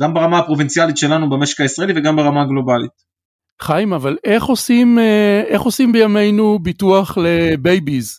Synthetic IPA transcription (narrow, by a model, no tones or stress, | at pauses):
ɡ̥ambaʁamaapʁo̞vint͡sjalitʃe̞lanubemeʃe̥kaisʁaeliveɡambaʁamaɡlo̞balit | χajmavale̞χo̞simeeχo̞simbejame̞jnubituaχlebe̞jbiz